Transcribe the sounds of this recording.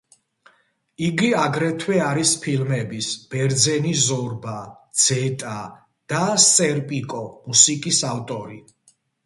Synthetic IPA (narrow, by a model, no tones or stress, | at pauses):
iɡiaɡɾɛt̪ʰwɛaɾispʰilmɛbisb̥ɛɾd̪zɛnizɔɾbad̪z̥ɛt̪ʼa | d̪̥ast̪sʼɛɾpʼikʼɔmusikʼisaft̪ʼɔɾi